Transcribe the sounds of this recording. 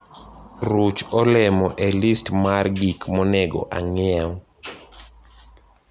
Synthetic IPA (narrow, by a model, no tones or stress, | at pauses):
ɾut͡ʃɔlɛmɔʔelistmarɡikmɔnɛɡɔ̰ʔaŋɪɛw